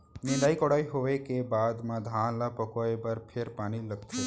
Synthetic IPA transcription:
nɪ̃nd̪aːikɔɽaːiɦoʋekebaːd̪mãd̪ʱãnlapəkoebəɾpʰeɾpaːñiləɡ̚t̪ʰe

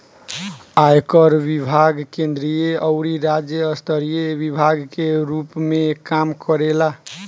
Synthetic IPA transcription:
ajkəɾbibʱaɡkend̪ɾijeəʊɾiɾad͡ʒjəːst̪ʰəɾijebibʱaɡkeɾupmekamkəɾela

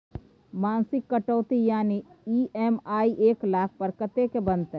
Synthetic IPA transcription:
maːnsɪkːɐʈoːt̪ijaːniiːʔɛːmaːiʔeːklaːk̚ʰpɐɾkət̪ekebɐnt̪ɛ

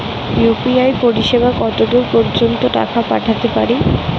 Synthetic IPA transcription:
jupiajpoɾiʃebakɔt̪od̪uɾpoɾd͡ʑont̪oʈa̰kapaʈʰat̪epaɾi

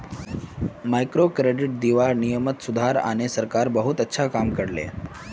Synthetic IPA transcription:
majkɾokɾeɖiʈ̚d̪iʋaɾnijəmət̪sud̪ʱaɾa̰ɽ̃esəɾkaɾbəɦut̪ətːɕʰakamkəɽlḛ

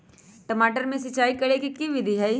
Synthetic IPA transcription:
ʈɐmaːʈəɾmẽs̬ɐt͡ʃaːikɐɽekikiʋɪd̪ʱiɦɛj

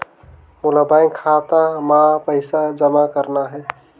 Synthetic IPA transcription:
mʊlabaiŋkʰat̪amãpəɪsad͡ʒəmakəɾnaɦɛ

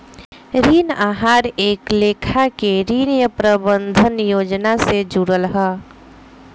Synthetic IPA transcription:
ɾiːnaːɦaːɾeːkleːkʰakeɾiːnjəpɾəbənd̪ʱənjoːd͡ʒnased͡ʒuɾəlɦəː

